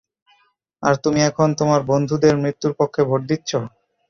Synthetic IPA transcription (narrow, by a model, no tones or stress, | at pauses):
a̰ɾt̪umiɛkʰont̪omaɾbond̪ʱud̪eɾmɾit̪ːuɾpokʰːebʱoʈ̚d̪it̪ːɕʰo